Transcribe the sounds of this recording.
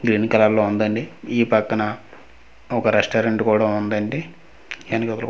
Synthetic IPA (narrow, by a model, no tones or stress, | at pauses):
ɡɾiːnkɐlaːɾloːund̪ɐɳɖiiːpɐkːɐnɐ | ɔkɐɾesʈɐːɾɐɳʈkuːɽaːund̪ɐɳɖi | jɐnikɐt̪l